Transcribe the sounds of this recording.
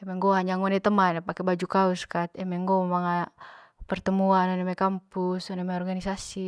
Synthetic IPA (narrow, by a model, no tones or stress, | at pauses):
ɛmɛŋɡoɦaɲaŋɔnɛt̪əmanpakɛbad͡ʒukauskat̪ɛmɛŋɡommaŋa | pərt̪əmuanɔnɛmɛkampusɔnɛmɛɔrɡanisasi